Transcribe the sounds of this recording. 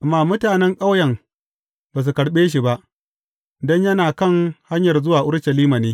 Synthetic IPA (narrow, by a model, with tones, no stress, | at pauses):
ʔa˨mːaː˦mʊ˦taː˨nɛ˦ŋkʼa˦wjɐ˨ŋ | baː˨s̬u˨kɐ˨ɽɓeː˦ʃ̬i˨ba˦ʔ | dɔ˦ɲjɐ˦naː˨kɐ˦˨ŋha˦ɲjɐ˨rzʊ˦waː˨ʔʊ˦ɾʃɐ˨liː˦ma˨neː˦